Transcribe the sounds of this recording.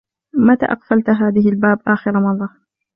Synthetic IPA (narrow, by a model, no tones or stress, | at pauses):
mat̪a̰ːʔɑqfalt̪ɦaːðɪhɪlbaːbʔaːxɪɾamɑðˤːɑ